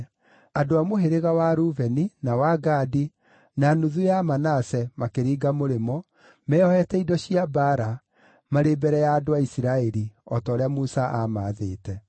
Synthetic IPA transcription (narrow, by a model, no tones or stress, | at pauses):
adoamoɦeɾeɣawaɾuvɛninawaɡaːdi | nanuðujamanasɛmakeɾiːɡamoɾemɔ | mɛɔhɛtɛidɔɕiabaɾa | maɾeːbɛɾɛjaːdoaisiɾaɛɾiɔtɔːɾeamusaʔamaðeːtɛ